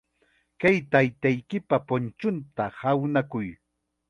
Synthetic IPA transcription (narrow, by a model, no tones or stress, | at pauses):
kajt̪ajt̪ajkɪpapʊnt͡ʃʊnt̪ahawnakʊj